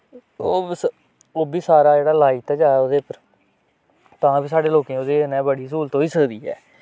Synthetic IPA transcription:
oːs | oːbiːsaːɾaːd͡ʒeːɽaːlaːit̪ɛːd͡ʒaːod̪eːpəɾ | t̪ãːbiːsaːɖeːloːkẽːoːd̪eːnɛ̃ːbəɽiːs̬uːlt̪oːiːsəkd̪iːɛ̰ː

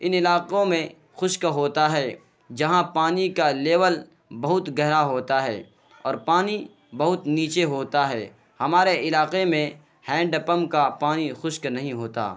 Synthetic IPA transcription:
ɪnɪlaːqõmẽ | xʊʃkɦoːt̪aɦɛː | d͡ʒɐɦãpaːnikaleːʋəl | bɐɦʊt̪ɡɛɦɾaɦoːt̪aɦɛ̰ː | ɔːɾpaːni | bɐɦʊt̪niːt͡ʃeɦoːt̪aɦɛː | hɐmaːɾeʔɪlaːqemẽ | hɛ̃ːɳɖəpəmkapaːnixʊʃknɐɦĩɦoːt̪a̰ː

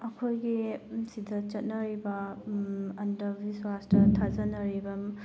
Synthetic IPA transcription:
ɐkʰojɡisidɐt͡ʃɐt̚nɐɾibɐ | ɐndɐbiswastɐtʰazɐnɐɾibɐm

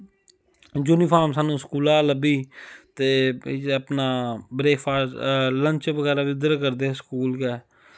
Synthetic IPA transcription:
d͡ʒuːniːpʰaːmsaːnũːskuːlaːləbiːt̪eːəpnaːbɾeːfʰaːləɲt͡ʃʋəɡɛːɾaːʋɪd̪əɾkəɾd̪eːskuːlkɛː

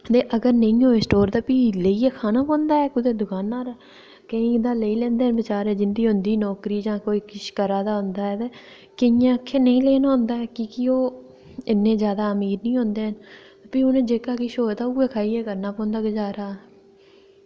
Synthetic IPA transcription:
t̪eːʔəɡəɾnəĩːɦoːeːsʈoːɾd̪aːpiːləiːɛːkʰaːnaːpɔ̃ːnd̪aːɛːkʊd̪eːd̪ʊkaːnaːɾaː | kəĩːd̪aːləiːlɛ̃ːnd̪eːənbɪt͡ʃaːɾɛːd͡ʒɪnd̪iːɦʊ̃nd̪iːnɔːkɾiːd͡ʒãːkoːiːkɪʃkəɾaːd̪aːɦʊnd̪aːɛːt̪eː | kəjãːkʰːeːnəĩːleːnaːɦʊ̃nd̪aːɛːkɪkɪoː | ɪnːẽːzjaːd̪aːəmiːɾnĩːɦõnd̪eːɦən | apiːʊnẽːd͡ʒeːkaːkɪʃoːd̪aːuːeːkʰaːiːɛːkəɾnaːpɔ̃ːnd̪aːɡɪd͡ʒaːɾaː

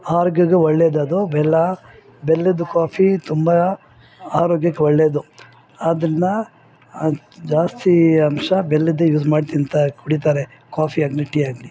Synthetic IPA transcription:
aːɾoːɡɐɡeʋɐɭːeːd̪ɐd̪ubɛlːɐ | belːed̪ukaːpʰit̪umbɐ | aːɾoːɡjɐkːeʋɔɭːeːd̪u | ɐd̪ɐnːɐ | d͡ʒaːst̪ʰiɐmʂɐbelːid̪ejuːzmaːɖt̪iɐnt̪ɐkuɽit̪̬aːɾe | kaːpʰiaːɡiliʈiaːɡili

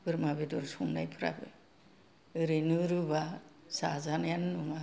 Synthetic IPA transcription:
bɯɾmabidɔɾsundajpʰɯɾa̰bɯ̰ | ɯɾɯnɯɾuba | sazanjannuma

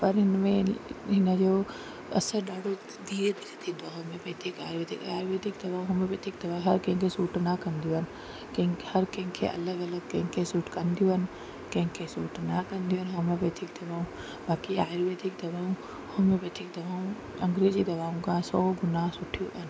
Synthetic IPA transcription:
pɐɾɪnmẽɦɪnəd͡ʒoː | ɐ̰səɾɗaːɖo | d̪iːɾed̪iːɾet̪ʰid̪aɦomẽbeːt̪ʰika̰ːɾʋeːd̪ɪkaːɾʋeːd̪ɪkd̪ɐbaːũɦʊmẽbeːt̪ʰɪk̚d̪ɐʋãːɦɐɾkɐ̃kʰesuːʈʰnakɐ̃nd̪ijoən | kɐ̃hɐɾkɐ̃ɦɪ̃kʰḛʔɐ̰ləɡɐləɡ̚kɐ̃ɦkʰesuːʈʰkɐnd̪ijoən | kɐ̃ɦkʰesuːʈʰnakɐ̃nd̪ijoɦnɦomẽbeːt̪ʰikd̪ɐbaːũ | baːkiaːɾʋed̪ʱɪk̚d̪ɐbaːũ | homẽbeːt̪ʰik̚d̪ɐʋaːũ | ɐ̃ŋɡɾeːzid̪ɐʋaːũkãsɔːɡʊnaːsʊʈʰijoən

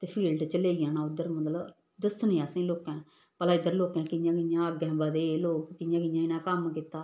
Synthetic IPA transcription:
t̪eːpʰiːlɖt͡ʃəleːijãːnaːʊd̪əɾməd̪lə | d̪əsnẽːaːsẽːloːkɛ̃ː | pəlaːɪd̪əɾloːkɛ̃ːkɪjãːkɪjãːəɡɛ̃ːbad̪eːloːkːɪjãːkɪjãːɪnaːkəmkɪt̪aː

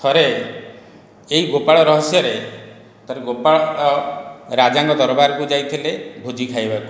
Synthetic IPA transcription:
t̪ʰɔɾe | iɡopaɭɔɾɔɦɔsjɔɾe | t̪ʰɔɾeɡopaɭɔɔɾad͡ʒaŋkɔd̪ɔɾɔbaɾɔkud͡ʒajt̪ʰilebʱud͡ʒikʰajbaku

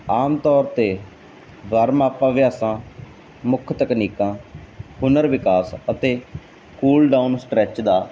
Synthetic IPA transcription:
aːmt̪ɔːɾt̪eː | ʋəɾmaːpãːʋɪjaːsãː | mʊkʰt̪əkniːkãːhʊnəɾʋɪkaːsət̪eː | kuːlɖaːunsʈɾɛːt͡ʃd̪aː

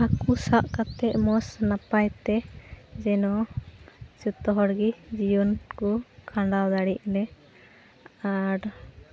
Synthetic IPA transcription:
akusaʔkat̪ɛʔ̚mɔsnapajt̪ɛd͡ʒɛnɔ | d͡ʒut̪ɔɦɔɽɡid͡ʒijunkɔkʰãɳɖawd̪aɽiʔ̚lɛ | aɾ

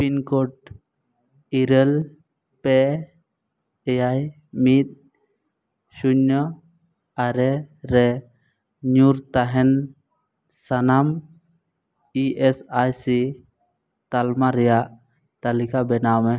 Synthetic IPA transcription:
pinkoʈ̚ | iɾel | pe | jaj | mit̪̚ | suɲːɔ | aɾɛɾɛ | ɲuɾt̪aɦɛn | sanam | iʔesajsi | t̪almaɾɛjaʔ | t̪alikabɛnamɛ

